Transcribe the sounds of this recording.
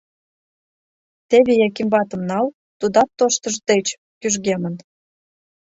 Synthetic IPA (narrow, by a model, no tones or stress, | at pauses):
t̪eβejɑkimbɑt̪ə̆mnɑl | t̪ud̪ɑt̪ːoʃt̪əʒd̪et͡ɕ | kyʒɣemə̆n